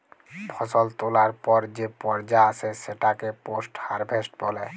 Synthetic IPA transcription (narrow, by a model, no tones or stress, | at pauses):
pʰɔsɔlt̪olaɾpɔɾd͡ʑepɔɾd͡ʑaasʰeseʈakeposʈhaɾbʱesʈbɔle